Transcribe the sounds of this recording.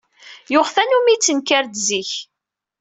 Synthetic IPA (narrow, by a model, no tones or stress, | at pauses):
joʁθænumit͡sːənkaɾd̪ziç